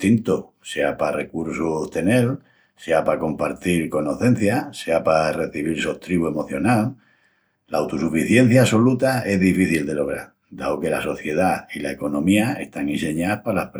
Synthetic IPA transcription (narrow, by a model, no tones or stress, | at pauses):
t̪int̪o | seapare̞kuɾsuht̪e̞ne̞l | se̞apako̞mpaɾt̪iɾko̞noθẽ̞n̟θjase̞apare̞θiβiɾsoht̪ɾiβue̞mo̞θjo̞nal | laawt̪usufiθje̞n̟θjaso̞lut̪ae̞ɦðifiθild̪e̞lo̞ɣ̞ɾaɾ | d̪aoke̞la̰so̞θje̞ð̞ailae̞ko̞nõ̞miae̞st̪aŋĩnse̞ɲapalahp